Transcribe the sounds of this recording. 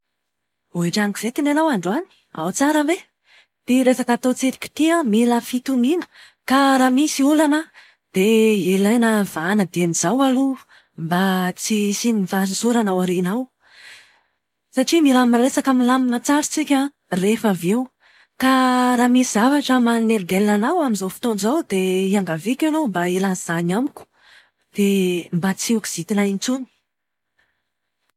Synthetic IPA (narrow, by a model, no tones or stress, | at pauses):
oeʈ͡ʂaŋki̥z̥et̪inanawaɳɖ͡ʐani̥ | a̰wt͡saɾəbe | t̪iɾesakat̪ot͡seɾi̥kʲi̥t̪iəmilafit̪uminə̥ | kaɾaːmisiulanə | d̪̥eelajnəvanəd̪enizawalu | mbat͡sisinivasusuɾanawaɾenaw | saʈ͡ʂimiɾaminaɾesakamilaminat͡saɾit͡sikʲə | refavew | kaɾamisizavaʈ͡ʂəmaneɾɡ̪elnanawaminzawfi̥t̪onzawd̪eiaŋɡavikʲanombailaz̥aɲamikʲu̥ | d̪̥embat͡siuki̥z̥it̪inaint͡suni̥